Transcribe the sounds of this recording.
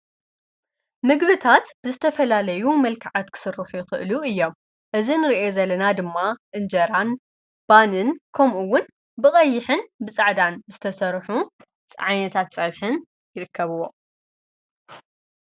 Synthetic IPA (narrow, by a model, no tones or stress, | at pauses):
mɨɡbɨt̪ʰat̪b̥ɨzɨt̪ʰɐfɐlalɐjumɐlkʰaʕat̪kʰɨ̥sɨɾːuħujɪxɨ̰ʔluɨjːo̞m | ʔɨzinɨɾiʔo̞zɐlːɐnad̪ɨmːaʔɨnd͡ʒɐɾan | b̥anɨnkʰɐmʔuwːʊn | bɨkʼɐjːɪħɨnbɨt͡sʼaʕd̪anzɨt̪ʰɐsɐɾħu | t͡sʼʕajnɐt̪ʰat̪t͡sʼɐβħɨn | jɪɾɨkʰːɐβɨwːo̞